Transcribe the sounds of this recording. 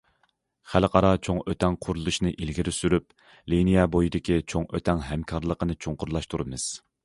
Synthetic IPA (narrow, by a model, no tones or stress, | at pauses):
χælqʰɑɾɑt͡ʃʰoŋøt̪ʰɛŋqʰʊɾulˠuʃnɨʔilɡʲiɾysyɾyp̚ | linijɛbojid̪ɪkʲit͡ʃʰoŋøt̪ʰɛŋɦɛmkʰɑɾlˠəqənɨt͡ʃʰoŋqʊɾlˠɑʃt̪ʰuɾɨmɨz̥